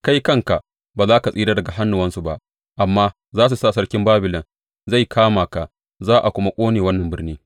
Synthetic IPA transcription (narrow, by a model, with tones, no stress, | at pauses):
ka˦jkɐ˦ŋka˨ʔ | baː˨zaː˦ka˨sʼiː˦daː˦dɐ˨ɡa˨ɦa˦nːu˨wɐ˦nsu˨ba˦ʔ | ʔa˨mːaː˦ | zaː˦s̬u˨saː˦˨sɐ˦ɽkʲɪ˦mbaː˦bɪ˨lɪ˨n | za˦˨jkʰaː˦maː˨ka˨ | zaː˦ʔa˨kʷʊ˦ma˦kʷʼoː˦neː˨wɐ˦nːɐ˨mbɪ˦rniː˦